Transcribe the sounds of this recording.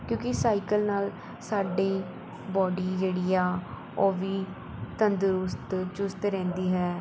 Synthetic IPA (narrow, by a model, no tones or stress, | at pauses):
kjõːkɪsaːikəlnaːl | saːɖiː | bɔːɖiːd͡ʒeːɽiːaː | oːʋiː | t̪ənd̪ʊɾʊst̪t͡ʃʊst̪ɾɛ̃ːnd̪iːɦɛː